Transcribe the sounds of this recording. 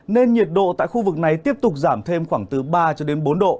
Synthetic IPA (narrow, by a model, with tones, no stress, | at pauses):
ne˧nɲi˨˩ət̚ɗo̰˧˨t̪a̰ː˧˨jxu˧vɨ˨˩k̚na˨˩jt̪i˦˥əp̚t̪ʊ˨˩k͡p̚zaː˧˩mt̪ʰe˧mxwaː˧˩ŋt̪ɨ˨˦ɓaː˧t͡ɕɔ˧ɗe˨˦nɓo˨˦nɗo̰˧˨